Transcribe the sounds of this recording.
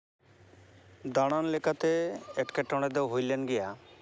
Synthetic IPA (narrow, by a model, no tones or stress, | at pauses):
d̪aɽ̃anlekat̪eeʈkeʈɔɽ̃ed̪ɛwɦojlenɡɛja